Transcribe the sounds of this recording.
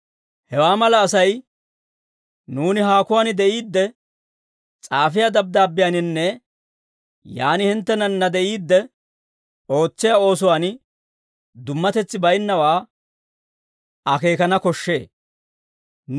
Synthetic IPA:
hɛwaːmɐlɐːsɐj | nuːnɪɦaːkʊwaːnɪd̪ɛʔiːd̪ːɛ | t͡sʼaːfɪjad̪ɐb̚d̪aːbːɪjanɪnːɛ | jaːnɪhɪnt̪ːɛnɐnːɐd̪ɛʔiːd̪ːɛ | o̞ːt͡sːɪjaːo̞ːs̬ʊwaːn | d̪ʊmːɐt̪ɛt͡sːɪbɐjnːɐwaː | ʔɐke̞ːkɐnɐkɔʃːe̞̰ː

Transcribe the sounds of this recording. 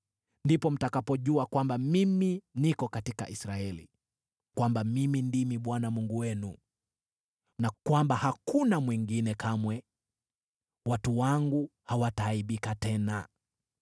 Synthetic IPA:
ndipɔm̩takapɔʄuakwambamiminikɔkatika̰ʔisɾaɛlḭ | kwambamimindimiɓwanamuŋɡuwɛnu | nakwambahakunamwiŋɡinɛkʰamwɛ | watuwaŋɡuhawataːiɓikatɛna

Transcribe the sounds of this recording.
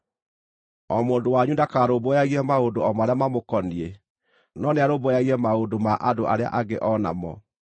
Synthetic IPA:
ɔmoːndowaɲundakaːɾobojaɣiɾɛmaodoɔmaɾeamamokɔniɛ | nɔneaɾobojaɣiɾɛmaodomaʔadoʔaɾea̰ʔaɡeʔɔna̰mɔ̰

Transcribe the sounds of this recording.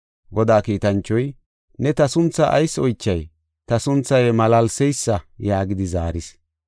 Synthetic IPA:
ɡɔd̪aːkiːt̪ɐnt͡ʃːɔj | nɛt̪ɐsʊnt͡sːɐʔɐjsɔjt͡ʃːɐj | t̪ɐsʊnt͡sːɐjmɐlɐlsɛjsːɐjaːɡɪd̪ɪzaːɾɪs

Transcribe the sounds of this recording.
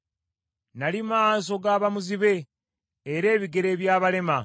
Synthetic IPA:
nalimas̬o̞ɡaːβamuziβe̞ː | ɾe̞ːβiɡe̞ɾe̞ːβjaːβale̞ma

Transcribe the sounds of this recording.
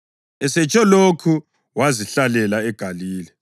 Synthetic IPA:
ɛsɛt͡ʃʼɔlokʰu | waziɬalɛlaɛɡ̥ʱaliːlɛ

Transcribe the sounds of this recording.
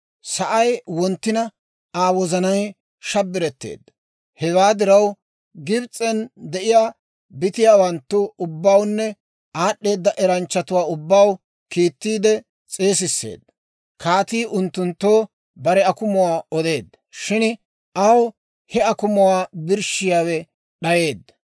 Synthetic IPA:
sɐʔɐjwɔnt̪ːɪnɐ | aːwɔzɐnɐj | ʃɐbːɪɾɛt̪ːe̞̰ːd̪ːɐ | hɛwaːd̪ɪɾɐw | ɡɪbt͡sʼɛnd̪ɛʔɪjaː | bɪt̪ɪjaːwɐnt̪ːʊʊbːawnːɛ | aːɗːe̞ːd̪ːɐʔɛɾɐnt͡ʃːɐt̪ʊwaːʊbːaw | kiːt̪ːiːd̪ɛ | t͡sʼe̞ːs̬ɪsːe̞̰ːd̪ːɐ | kaːt̪iːʔʊnt̪ːʊnt̪ːoː | bɐɾɛɐkʊmʊwaːɔd̪e̞ːd̪ːɐʃɪn | ʔɐw | hɛɐkʊmʊwaːbɪɾʃɪjaːwɛ | ɗɐje̞ːd̪ːɐ

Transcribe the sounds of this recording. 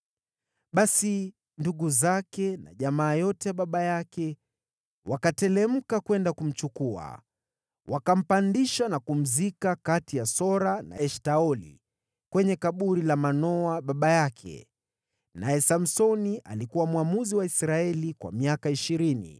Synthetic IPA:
ɓasi | nduɠuzakɛna̰ʄamaːjɔtɛjaɓaɓajakɛ | wakatɛlɛm̩kakwɛndakum̩t͡ʃukua̰ | wʔakam̩pandiʃanakum̩zikakatijasɔɾana̰ɛʃtaɔlḭ | kwɛɲɛkaɓuɾilamanɔaɓaɓajakʰɛ̰ | najɛsam̩sɔniʔa̰likuwamwamuziwaisɾaɛlikwa̰miakaiʃiɾinḭ

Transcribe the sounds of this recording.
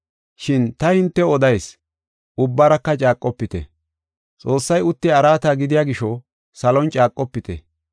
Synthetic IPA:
ʃɪnt̪ɐhɪnt̪ːɛɔd̪ɐjs | ʊbːɐɾɐkːɐt͡ʃʼaːkʼːɔpːɪt̪ɛ̰ | t͡sʼo̞ːsːɐjʊt̪ːɪɐɾaːt̪aːɡɪd̪ɪjaːɡɪʃɔ | sɐlɔnt͡ʃʼaːkʼːɔpːɪt̪ɛ̰

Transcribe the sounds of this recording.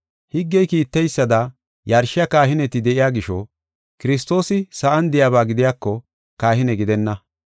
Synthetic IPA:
hɪɡːɛjkiːt̪ːɛjsːɐd̪ɐ | jɐɾʃɪjɐkaːɦɪnɛt̪ɪd̪ɛʔɪjaːɡɪʃɔ̰ | kɪɾɪs̬t̪o̞ːsɪsɐʔɐnd̪ɪjaːβaːɡɪd̪ɪjaːkːɔ | kaːhɪnɛɡɪd̪ɛnːɐ

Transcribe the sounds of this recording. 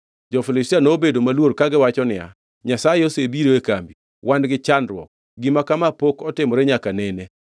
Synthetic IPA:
d͡ʒɔfilɪstianobedomalwoɾkaɡɪwat͡ʃɔnɪa̰ | ɲasajɛosebiɾoekambi | wandɡɪt͡ʃanɾwɔ̰k̚ | ɡimakamapokɔtɪmɔɾɛɲakanɛne

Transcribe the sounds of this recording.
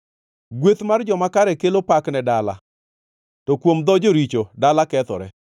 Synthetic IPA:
ɡwet̪mard͡ʒɔmakaɾɛkelopaknɛdala̰ | tɔkwomd̪ɔd͡ʒoɾit͡ʃodalakɛt̪ɔ̰ɾɛ

